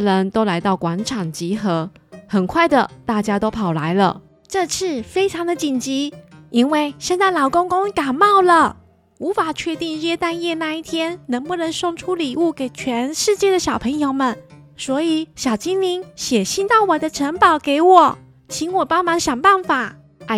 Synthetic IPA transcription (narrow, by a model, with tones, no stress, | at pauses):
ɻə˧˦nt̪o˥ʊla˧˥ɪt̪ɑ˥˩ʊkwa˧˥nʈ͡ʂʰɑ˨˩ŋt͡ɕi˧˥xɤ˧˥ | xə˨˩nkʰwa˥˩ɪd̪ə˨˩t̪a˥˩t͡ɕja˥t̪o˥ʊpʰɑ˨˩ʊla˧˥˦ɪlə̰˧ | ʈ͡ʂɤ˥˧t͡s̩ʰ˥˩fe˥ɪʈ͡ʂʰɑ˧˥ŋd̪ə˧˨t͡ɕi˨˩nt͡ɕi˧˥i˥nwe˥˩ɪʂə˥˧nt͡sa˥˩ɪlɑ˨˩ʊkʊ˥ŋkʊ˥ŋka˨˩mɑ˥˩ʊlə˨ | u˧˥fa˨˩t͡ɕʰɥɛ˥˧t̪i˥˧ŋɻɛ˥˧t̪a˥˧njɛ˥˧na˥˧i˥˩t̪ʰjɛ˥nnə˧˥ŋpu˥˩nə˧˥nʂo˥˧˩ŋʈ͡ʂʰu˥li˨˩u˥˩ke˨˩ɪt͡ɕʰɥɛ˧˥nʂɻ̩˥˧t͡ɕjɛ˥˩d̪ə˩ɕjɑ˨˩ʊpʰə˧˥ŋjo˧ʊmə˨˦n | swɔ˧˥i˨˩ɕjɑ˨˩ʊt͡ɕi˥nli˧˥nɕjɛ˨˩ɕi˥nt̪ɑ˥˩ʊwɔ˨˩d̪ə˦ʈ͡ʂʰə˧˥npɑ˨˩ʊke˧˩ɪwɔ˨˩˦ | t͡ɕʰi˧˥ŋwɔ˨˩pɑ˥ŋmɑ˧˥ŋɕjɑ˨˩ŋpa˥˩nfa˨˩˦